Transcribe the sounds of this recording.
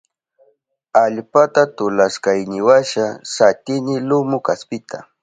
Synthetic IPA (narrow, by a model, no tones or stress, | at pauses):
aʎpat̪at̪ʊlaskajnɪwaʃasat̪ɪnɪlʊmʊkaspɪt̪ʰa̰